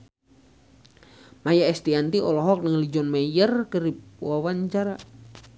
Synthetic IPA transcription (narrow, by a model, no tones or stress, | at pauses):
majaɛst̪iant̪iɔlɔɦɔk̚nəŋlid͡ʒɔnmajərkəɾipwawaɲt͡ʃaɾa